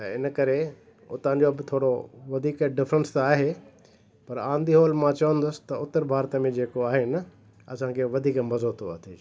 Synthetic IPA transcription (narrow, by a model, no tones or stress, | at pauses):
ɪnkɐɾe | ʊ̰t̪ã̆ːd͡ʑobɪt̪ʰoːɽoʋɐd̪ʱiːkɖɪfɾə̃nst̪aːɦe | pɐɾãːnd̪ʱiɦoːlmãt͡ɕɐʋə̃nd̪ʊsɪ̥t̪ɐʊt̪ːəɾbʱaːɾt̪mẽd͡ʑeːkoaːɦɪnɪ | ɐsãkʰeʋɐd̪ʱiːkmɐzoːt̪ʰoɐ̰t̪ʰiː